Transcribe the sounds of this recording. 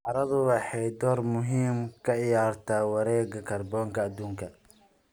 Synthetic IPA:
ʔɑɾɐðʊwɑħɑjd̪ɔːrmʊɦiːmkʰɐʕɪjaːrt̪ʰaːwɐɾɛːɡɐkʰɐrbɔːŋkʰɐɐd̪uːŋkʰɐ

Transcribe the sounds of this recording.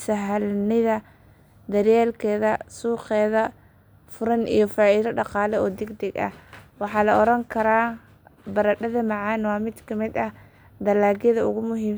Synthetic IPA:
sɐɦɐlnɪðɐ | d̪ɐɾjɛːlkʰɛːðɐsuːχɛːðɐ | fʊɾɐnḭjɞfaːiðɐɖɑqɑːlɛɔːd̪ɛɡd̪ɛɡɐ̰hwɑħɑːlɐɔɾɐŋkʰɐɾaː | bɐɾɐɖɐðɐmɑʕɑːnwɑːmɪd̪kʰɐmɪd̪ɐh | d̪ɐlaːɡjɐðɐʊ̰ɣʊmʊɦiːm

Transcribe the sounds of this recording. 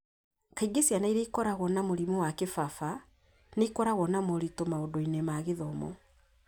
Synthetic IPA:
kaiɡesjanaiɾeikɔɾaɣɔnamoɾimowakefafa | neikɔɾaɣwɔnamɔɾitomaodoinemaɣeðɔmɔ̰

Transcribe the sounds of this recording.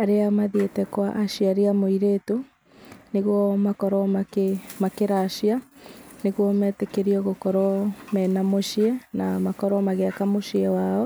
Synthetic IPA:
aɾeamaðjetɛkwaʔaʃiaɾeamoiɾeto | neɣwɔmakɔɾɔmakemakeɾaʃianeɣɔmɛːtekeɾiɔɣokɔɾɔmɛnamoʃiɛnamakɔɾɔmaɣeakamoʃiɛwaɔ

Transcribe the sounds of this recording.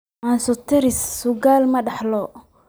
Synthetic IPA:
ʔansɔt̪ʰɪɾɪsːʊɡaːlmɐɖɑħlɔ

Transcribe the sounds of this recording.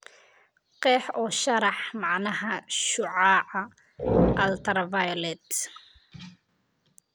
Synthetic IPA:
qɛːħɔːʃɐɾɑħmɑʕnɐɦɐʃʊʕɑːʕɐ | ʔɐlt̪ʰɐrvajlɛt̪

